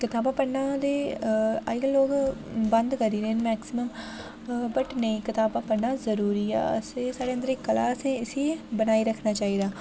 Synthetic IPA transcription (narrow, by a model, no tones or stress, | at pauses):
kɪt̪aːbaːpəɽnaːd̪eːa̰ɪɡloːkbənd̪kəɾiːɾeːnmɛːksɪməm | bəʈnəĩːkɪt̪aːbaːpəɽnaːzəɾuːɾiːɛ̰ːəseːsaːɽeːənd̪əɾekkːəla̰ːsɛ̃ːɪsiːbənaːiːɾəkʰnaːt͡ʃaːɦiːd̪aː